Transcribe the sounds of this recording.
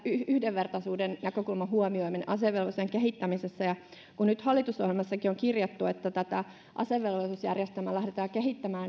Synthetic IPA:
yhyhdeʋʋert̪ɑsuːdennækøkulmɑhuomioiminḛʔɑseʋːelʋoseŋkehit̪ːæmisesːæjɑ | kunnyt̪hɑlːit̪usohjelmɑsːɑkioŋkirjɑt̪ːuet̪ːæt̪æt̪æ | ʔɑ̰seʋːelʋosusjærjest̪æmælæhdet̪ɑːkeɦit̪ːæmæːn

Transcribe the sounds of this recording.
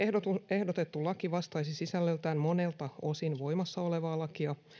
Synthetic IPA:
eot̪ue̞hdo̞t̪e̞t̪ːulɑkiʋɑst̪ɑjsisisælːølt̪æːnmo̞ne̞lt̪ɑo̞sinʋo̞jmɑsːɑo̞le̞ʋɑːlɑkiɑ

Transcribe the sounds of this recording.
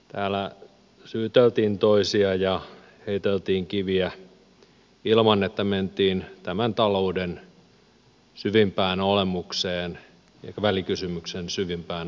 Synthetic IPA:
t̪æːlæ | syːt̪elt̪iːnt̪oisiɑjɑ | heit̪elt̪iːŋkiʋiæ | ilmɑnːet̪ːæment̪iːnt̪æmænt̪ɑlouden | syʋimpæːnolemukseːn | ʋælikysymyksensyʋimpæːn

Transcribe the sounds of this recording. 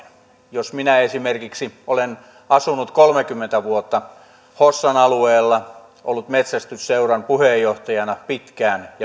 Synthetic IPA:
josminæesimerkiksiolen | ɑsunut̪kolmekymːent̪æʋuot̪ːɑ | hosːɑnɑlueːlːɑ | ʔo̰lːut̪met̪sæst̪ysseurɑnpuhejːoht̪ɑjɑnɑpit̪kæːnjɑ

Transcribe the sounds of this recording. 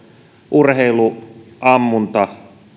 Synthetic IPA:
ʔurheiluʔɑmːunt̪ɑ

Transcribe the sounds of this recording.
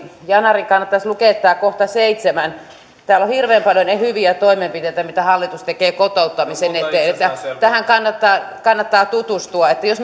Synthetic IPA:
jɑnɑriŋkɑnːɑt̪ːɑslukeˑt̪ːɑːkoht̪ɑseit̪semæn | t̪æːlːohirʋeːmpɑljonehyʋiæt̪oimempit̪eˑt̪æmit̪æhɑlːit̪ust̪ekeːkot̪oˑut̪ːɑmisenet̪ːˑeːet̪ːæt̪æhæŋkɑnːɑt̪ːɑː | kɑnːɑt̪ːɑːt̪ut̪ust̪uɑet̪ːæjos

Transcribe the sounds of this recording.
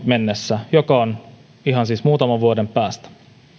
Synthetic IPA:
menːesːæjokɑon | iɦɑnsiːsmuːt̪ɑmɑʋʋuodempæːst̪

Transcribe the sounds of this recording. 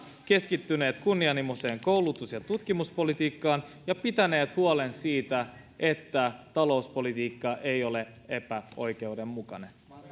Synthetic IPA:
ke̞skit̪ːyne̞ːt̪kunːiɑnimose̞ːŋkowlut̪usjɑt̪ut̪k̟imuspo̞lit̪iːkːɑːnjɑpit̪æne̞ːt̪huole̞nsiːt̪æ | ʔe̞t̪ːæt̪ɑlo̞uspo̞lit̪iːkːɑʔe̞jo̞le̞ | e̞pæo̞jk̟e̞ude̞mmukɑne̞̰n

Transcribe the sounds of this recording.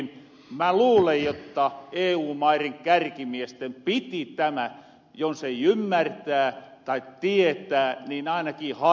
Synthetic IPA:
n | mæluːlejjot̪ːɑeːuːmɑiriŋkærkimiest̪empit̪it̪æmæ | jonseiymːært̪æːt̪ɑitt̪iet̪æːniːnɑinɑkiːhɑ

